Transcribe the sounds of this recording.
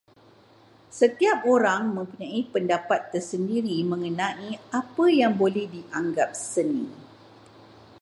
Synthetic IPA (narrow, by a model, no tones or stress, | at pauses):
sət̪iap̚oɾaŋmə̃mpuɲãipəndapat̪ːərsəndiɾimə̃ŋənãʔiapəjaŋbolɛhdiʔaŋɡap̚sənḭ̃